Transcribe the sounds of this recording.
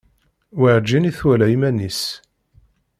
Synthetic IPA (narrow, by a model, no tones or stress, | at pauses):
waʕd͡ʒːiniθwælæjimænis